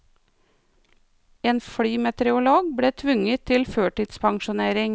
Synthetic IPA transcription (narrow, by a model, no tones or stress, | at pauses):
eːnfɽyːmɛt̪ɛɾɛʊloːɡbɽeːt̪ʰʋʏŋət̪ʰɪlføːʈɪd̪spʰɑŋʃʊneːɾɪŋ